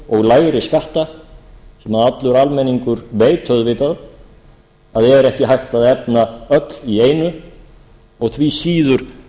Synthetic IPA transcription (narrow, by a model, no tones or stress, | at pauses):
ɔɣlaːjɣɾɪskaht̪a | sɛmhaðat̪lʏɾalmɛnːiŋkʏɾveːjt̪ʰœðvɪːt̪að | aðɛɾɛhcɪɦajxt̪aðɛp̚naœt̪lieːjnʏ | ɔɣθʰvisiːðʏɾ̥